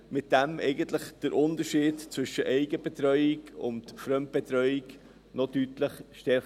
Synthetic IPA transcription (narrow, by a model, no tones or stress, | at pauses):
mɪt̚d̥ɛmʔɛɪɡən̩tləχd̥əɾʔʊndəɾʃiːdt͡sʋvʏʃəʔɛɪɡəb̥ɛtɾœʏɪɡʊ̰ntfɾœmt̚b̥ɛtɾœʏɪɡ | nɔdytləχʃtɛɾ